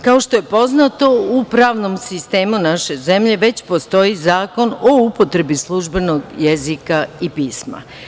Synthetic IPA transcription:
kao̞ʃt̪o̞je̞po̞znat̪o̞upɾaːʋno̞msist̪e̞ːmunaʃe̞ze̞mʎe̞ʋe̞t͡ɕpo̞st̪o̞izaːko̞no̞upo̞t̪ɾe̞bislˠuʒbe̞no̞ɡjezikaipiːsma̰

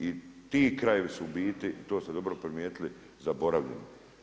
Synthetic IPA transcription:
it̪iːkɾaje̞ʋisuːbiːt̪iʔit̪o̞ːst̪ed̪o̞bɾopɾimjeːt̪ili | zabo̞ɾaʋʎḛni

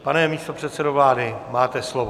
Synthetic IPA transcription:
panɛmiːst̪o̞pr̝̥ɛt̪sɛdovlaːdɪmaːt̪ɛslovo

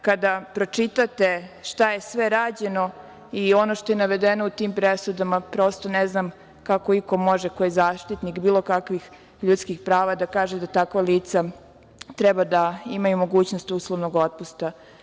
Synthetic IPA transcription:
kad̪apɾo̞t͡ʂit̪at̪e̞ʃt̪aje̞sʋe̞ɾaːd͡ʑe̞no̞ | io̞noʃt̪o̞jenaʋed̪eno̞ut̪iːmpɾesud̪amapɾo̞ːst̪oneznam | kako̞iko̞mo̞ʒekojezaːʃt̪it̪nikbiːlˠo̞kakʋix | ʎut̪skixpɾaːʋad̪akaːʒed̪at̪akʋalˠiːt̪sa | t̪ɾɛbad̪aimajumo̞ɡuːt͡ɕnost̪uslˠoʋnoɡot̪̚pust̪a

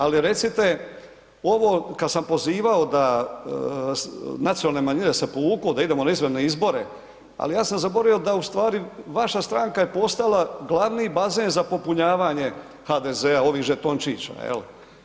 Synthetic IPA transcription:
aliɾe̞t̪sit̪e̞ | o̞ʋo̞ːkad̪sampo̞ziːʋao̞d̪a | snat̪sijonalne̞maɲinesepouːkud̪aid̪emonaizʋene̞izbo̞ɾe̞ | a̰lijaːsamzaboɾaio̞d̪aust̪ʋaːɾiʋaʃast̪ɾaːŋkaje̞po̞st̪alˠaɡlˠaʋniːbazeːnzapo̞puɲaːʋaɲe̞ | xaːd̪e̞ze̞ao̞ʋiːɣʒet̪ont͡ʃiːt͡ɕa̰jḛl

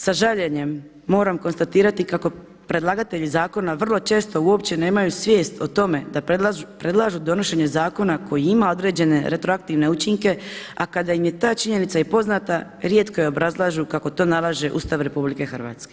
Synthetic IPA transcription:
saʒaʎe̞ɲe̞mː | o̞ːɾamko̞nst̪at̪iːɾat̪ikako̞ | pɾe̞d̪lˠaɡat̪e̞ʎizaːko̞naʋr̩lˠo̞t͡ʃe̞ːst̪o̞uo̞pt͡ɕe̞ne̞ːmajusʋje̞ːst̪ot̪o̞me̞d̪apɾe̞d̪lˠaʒud̪o̞no̞ʃe̞ɲe̞zaːko̞nako̞jiimao̞d̪ɾe̞ːd͡ʑe̞ne̞ɾe̞t̪ɾoak̚t̪iʋne̞ut͡ʃiŋke̞akad̪aimje̞t̪aːt͡ʃiɲe̞nit̪sajipo̞znat̪a | ɾje̞t̪kojeo̞bɾazlˠaːʒukako̞t̪o̞ːnalˠaʒe̞ʔṵst̪aʋɾe̞publike̞xr̩ʋa̰ːt̪ske̞

